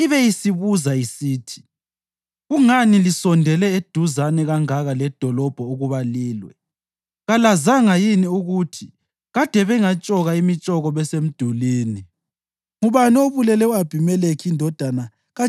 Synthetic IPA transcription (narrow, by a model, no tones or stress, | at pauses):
iβɛjisiβuzaisiːtʰi̥ | ɣuŋanilisɔndʱɛlɛed̥ʱuzanɛɣaŋaɣalɛd̥ʱɔlɔb̥ʱɔuɣuβaliːlwɛ̰ | ɣalazaŋajiniuɣutʰi | ɣad̥ʱɛβɛŋat͡ʃʼɔɣaimit͡ʃʼɔɣɔβɛsem̩d̥ʱuliːni | ŋuβanioβulɛlɛuab̥ʱimɛlekʰiːndʱɔd̥ʱana | ɣa